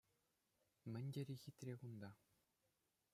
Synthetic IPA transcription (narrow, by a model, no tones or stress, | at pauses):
mʲɘ̆nʲdʲĕɾʲixʲit̪ʲrʲekund̪ɑ